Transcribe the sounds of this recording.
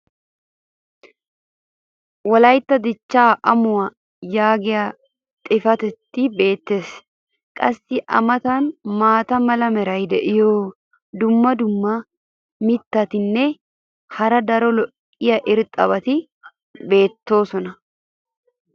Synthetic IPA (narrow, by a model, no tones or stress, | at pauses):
wɐlɐjt̪ːɐd̪ɪt͡ʃːaːʔɐmʊwɐ | jaːɡɛja | t̪ʼɪfɐt̪ɛt̪ːɪbe̞ːt̪ːes | kʼɐsːɪʔɐ̰mɐt̪anmaːt̪ɐmɐlɐmɛɾɐjd̪ɛʔɪjoː | d̪ʊmːɐd̪ʊmːa | mɪt̪ːɐt̪ɪnːɛ | hɐɾɐd̪ɐɾɔlɔʔʼɪjɐʔɪɾt̪ʼɐβɐt̪ɪ | be̞ːt̪ːo̞ːsɔnɐ